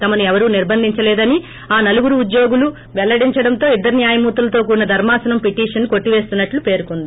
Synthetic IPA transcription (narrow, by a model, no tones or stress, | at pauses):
t̪ɐmɐnuɛʋɐɾuːniɾbʱɐnd̪ʱiɲt͡ʃɐlɛːd̪ɐni | aːnɐluɡuɾuːd̪jo̞ːɡulu | ʋɛlːɐɽiɲt͡ʃɐɽɐnt̪o̞ːid̪ːɐɾinjaːjɐmuːt̪ulɐt̪o̞ːkuːɾnɐd̪ʱɐɾmaːsɐnɐmpiʈiːʂɐnko̞ʈːiʋeːst̪unːɐʈlupe̞ːɾukond̪i